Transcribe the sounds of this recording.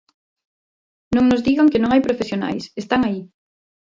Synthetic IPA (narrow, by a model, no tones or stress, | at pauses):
nõŋnʊzðiɣaŋkɪnõŋajpɾofesjona̰jsest̪aŋai